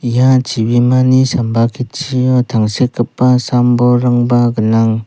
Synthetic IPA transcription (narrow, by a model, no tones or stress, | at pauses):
jat͡ʃibimanisambakʰitt͡ʃʰijɔtʰaŋsekːapːasambɔɾaŋbaɡɯnaŋ